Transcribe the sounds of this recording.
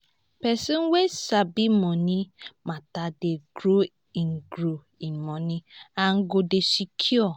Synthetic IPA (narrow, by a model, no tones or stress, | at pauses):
pɛsinwesabimɔnimatadeɡɾo | iŋ̩ɡɾo | imɔnĩaŋ̩ɡodesikʰiɔ